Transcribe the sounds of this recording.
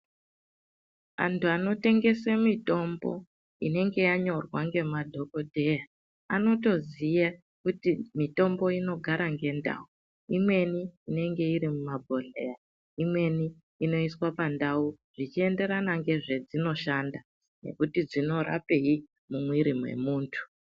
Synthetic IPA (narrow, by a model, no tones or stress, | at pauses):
a̰ntuano̞te̞ŋɡe̞semito̞mbo̞̰ | ine̞ŋɡe̞jaɲo̞rwaŋɡe̞madʱo̞ko̞dʱe̞ja | ano̞to̞zija | kutimito̞mbo̞ino̞ɡʱaɾaŋɡe̞nda̰u | imwe̞niːne̞ŋɡe̞iɾimumabʱo̞lḛja | imwe̞niː | no̞iswapandau | ʐ̥it͡ʃie̞nde̞ɾanaŋɡe̞ʐe̞d͡zino̞ʃanda | ne̞̰kutid͡zino̞ɾa̰pe̞i | mumwiɾimwe̞̰muːntʰu̥